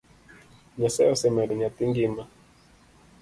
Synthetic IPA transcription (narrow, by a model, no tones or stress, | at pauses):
ɲasɛjɔsɛmɛɾiɲat̪iŋɡima